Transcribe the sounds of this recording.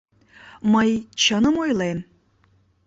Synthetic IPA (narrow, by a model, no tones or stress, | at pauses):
məjt͡ɕənəmojlen